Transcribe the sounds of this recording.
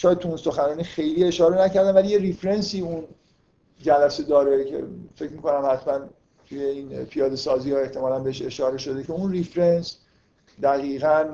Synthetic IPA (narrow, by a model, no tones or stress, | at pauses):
ʃɒːjet̪ʰuunso̞xænɒːniːxejliːe̞ʃɒːɾenæcæɾd̪ænvæliːjeɾifɾensiːun | d͡ʒælæse̞d̪ɒːɾecʰḛfe̞cmiːko̞næmhæt̪ʰmæn | t̪ʰuje̞ĩːnpʰijɒːd̪esɒːziːjɒe̞ht̪ʰe̞mɒːlænbeeʃe̞ʃɒːɾe̞ʃo̞d̪e̞ce̞unrifɾens | d̪æɣiːɣæn